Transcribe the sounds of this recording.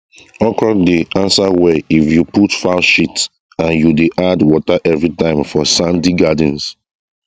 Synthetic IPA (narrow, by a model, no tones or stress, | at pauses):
ɔkɹɔ̃deʔãnsawɛifjuputfaʃits | ãnjudeʔadwɔtaʔɛvɹitãɪ̃mfɔsãndiɡad̃n̩s